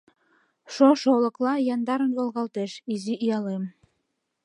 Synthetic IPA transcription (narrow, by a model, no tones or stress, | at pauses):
ʃoʃolɤ̆klɑjɑnd̪ɑɾə̆nβolˠɣɑlˠt̪eʃiziʔijɑlem